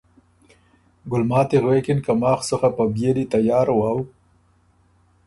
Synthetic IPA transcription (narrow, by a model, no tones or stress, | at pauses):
ɡʊlmɑːt̪eɣwekɪnkamɑːxsəxapabjelit̪ajɑːɾwɑːw